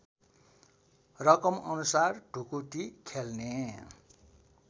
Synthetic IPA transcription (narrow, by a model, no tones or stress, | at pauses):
rʌkʌmʌnusarɖʱukut̪ikʰelne